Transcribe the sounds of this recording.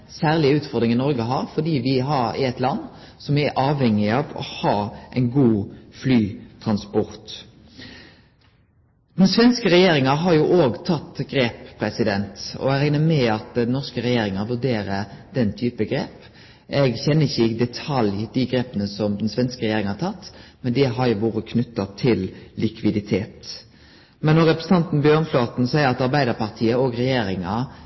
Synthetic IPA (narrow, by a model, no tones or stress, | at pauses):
sæːʁlɪʉːt̪fɔd̪ɾɪŋɪnɔɾɡəɦɑːɾfɔd̪iːʋɪɦɑɾɛt̪lɑnː | sɔmʋɪæɾʔɑːʋhɛŋːɪɑʋɔ̰hɑːʔæɪnɡuːflyːt̪ʰɾɑnspɔɾt̪ | d̪̥ɛnsʋɛnskəɾɛjeːɾɪŋɑɦɑɾjuːʔoːɡt̪ʰɑt̪ːɡɾeːppʰːɾɛsɪd̪ɛnt̪ɔ̰ɛɡɾæɪnəmɛɑt̪d̪nɔʁskəɾɛjeːɾɪŋɑʋʉɾɖ̪eːɾəd̪̥ɛnt̪ʰyːpəɡɾḛːp | ɛɡçɛnːəɪçːəɪɡd̪ɛt̪ʰɑljd̪iɡɾeːpənəsɔmd̪ɛnsʋɛnskəɾɛjeːɾɪŋɑhɑt̪ʰɑt̪ːmɛnd̪ɛɦɑɾjʊʋuːɾəkʰnʉt̪ːɑt̪ʰɪllɪkʰʋɪd̪ɪt̪ʰeːt̪ | mɛnːɔɾɛpɾɛsət̪ɑnt̪n̩bjøːnfloːt̪n̩sæɪəɾɑt̪ɑɾbæɪd̪əpʰɑʁt̪ʰiːəoːɡɾɛjeːɾɪŋɑ